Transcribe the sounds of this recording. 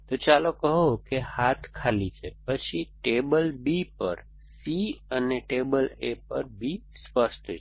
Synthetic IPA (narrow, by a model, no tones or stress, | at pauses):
t̪ot͡ʃalokəɦokehat̪ʰkʰalit͡ʃʰepət͡ʃʰiʈebəlbipə̰ɾ | siəneʈebəlepə̰ɾbʱispəsʈ